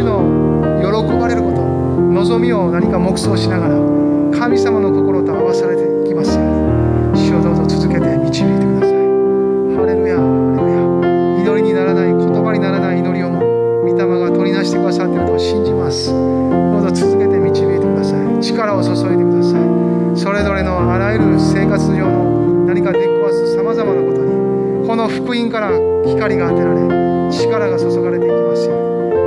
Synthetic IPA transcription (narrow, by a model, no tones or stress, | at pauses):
ino̞ | jo̞ɾo̞ko̞baɾe̞ɾɯ̟ko̞t̪o̞ | no̞zo̞mʲio̞naɲ̟ikamo̞kɯ̟̥so̞ːɕinaɡaɾa | kʰamʲisamano̞k̪o̞ko̞ɾo̞t̪oaamasaɾe̞t̪e̞ikʲimasɨ | ɕod̪o̞ːzo̞t͡sɨzɨke̞t̪e̞mʲit͡ɕibʲiːt̪e̞kɯd̪asai | haɾemja | aɾemɯja | ino̞ɾʲiɲ̟inaɾanaikʰo̞t̪o̞baɲinaɾanaiːno̞ɾʲio̞mo | mʲit̪amaɡat̪o̞ɾʲid̪aɕi̥t̪e̞kɯ̟d̪asat̪ːeɾɯt̪oɕĩɲ̟d͡ʑimasɨ̥ | hod̪o̞t͡sɨzɨke̞t̪e̞mʲit͡ɕibʲiːt̪e̞kɯ̟d̪asait͡ɕi̥kaɾao̞soso̞et̪e̞kɯ̟d̪asai | so̞ɾe̞zo̞ɾe̞no̞aɾajɯɾɯ̟se̞ːkat͡sɨʑo̞ːmo | naɾʲikaet̪eikʲimasɨsamazamanako̞t̪o̞d̪e | ko̞no̞ɸɯ̟̥kɯ̟ĩŋkaɾa | kʲi̥kaɾʲiɡaːt̪e̞ɾaɾe̞ | t͡ɕi̥kaɾaɡasoso̞ɡaɾe̞t̪e̞ikʲimasɨjo